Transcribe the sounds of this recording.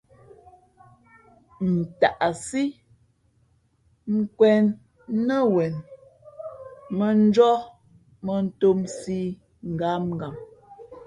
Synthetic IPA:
n̩˨ta˨ʔa˨si˦ | ŋ̩˦kwɛ˦nː | ə˦wɛ˨n | mə˨n̩˦d͡ʒɔ˦ | mə˨n̩˦to˦msi˦ | ŋ̩˨ɡa˨˦mŋ˨ɡa˨m

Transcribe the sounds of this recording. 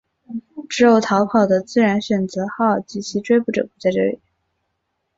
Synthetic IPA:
ʈ͡ʂɻ̩˧˥jo˨˩ʊt̪ʰɑ˧˥ʊpʰɑ˨˩ʊd̪ə˦t͡sɹ̩˥˩ɻa˧˥nɕɥɛ˨˩nt͡sɤ˧˥xɑ˥˩ʊ˨˩t͡ɕi˧˥t͡ɕʰi˧˥ʈ͡ʂwe˥˧ɪpu˥˩ʈ͡ʂɤ̰˨˩ku˥t͡sa˥˧ɪʈ͡ʂɤ̰˥˩lḭ˨˩˦

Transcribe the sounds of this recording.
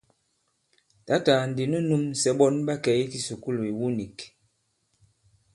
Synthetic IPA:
ta˨˦ta˨n̩˨di˨nə˦nu˦m˨sɛ˨˦ɓɔ˦nɓa˦kɛ˨˦jki˦su˨ku˦lo˨i˨wu˦ni˨k

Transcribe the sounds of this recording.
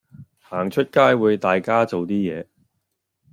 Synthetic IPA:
haː˨˩ŋt͡ʃʰɵ˥t̚kaː˥jwuː˨˧jt̪aː˨jkaː˥t͡so˨wt̪iː˥jɛː˨˧

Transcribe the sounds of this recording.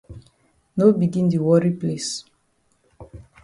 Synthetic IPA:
nobi˨ɡĩ˦ndi˨wɔ˦ɾiples

